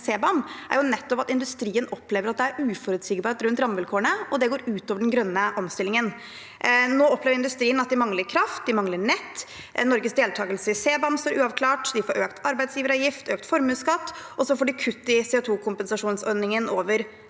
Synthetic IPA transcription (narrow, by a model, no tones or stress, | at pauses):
seːbɑmʔæ̰ɾjʊnɛt̪ːɔpɑt̪ɪnd̪ʉst̪ɾiːənɔpleːʋəɾɑt̪̚d̪ɛæɾʉːfɔɾʉːt̪sɪɡbɑːɾt̪ɾʉnt̪ɾɑmʋɛlkʰoːɳəɔd̪ɛɡoːɾʉːt̪oːʋəɖɛnɡɾœnːəʔɔmst̪ɪlɪŋən | noːɔpʰleːʋəɾɪnd̪ʉst̪ɾiːənɑt̪̚d̪ɪmɑŋləɾkʰɾɑft̪̚d̪ɪmɑŋləɳɛt̪ː | nɔɾɡəsd̪eːlt̪ʰɑːɡəlsəɪseːbɑmst̪oːɾʔʉːɑʋkʰlɑːʈd̪ɪfoːɾøːkt̪ʰɑɾbæɪd̪sjiːʋəɾɑjɪft̪ʰøːkt̪fɔɾmʉːskɑt̪ːɔsɔfoːɖɪkʰʉt̪ːɪseːot̪ʰuːkʰʊmpɛnsɑʂuːnsɔɾnɪŋənoːʋəɾ